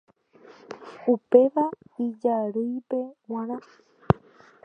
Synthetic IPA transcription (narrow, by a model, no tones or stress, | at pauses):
upe̞ʋaid͡ʒaɾɨjpe̞wãɾã